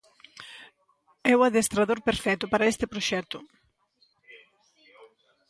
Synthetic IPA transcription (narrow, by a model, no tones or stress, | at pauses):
ɛwaðest̪ɾaðoɾpeɾfɛt̪ʊpaɾaest̪ɪpɾoʃɛt̪ʊ